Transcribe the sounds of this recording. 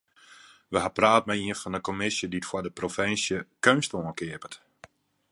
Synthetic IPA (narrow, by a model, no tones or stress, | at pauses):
ʋəɦapraːt̚mɛiəfɔnəkomɪsjəditfwadəprofɪnsjəkønstoənkɪəpət